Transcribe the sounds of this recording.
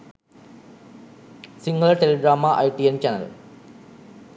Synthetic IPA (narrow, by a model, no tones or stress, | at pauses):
siŋːɐɭeʈeleɡɾaːmɐʔɐ̰jʈːient͡ɕɐnɐ̰l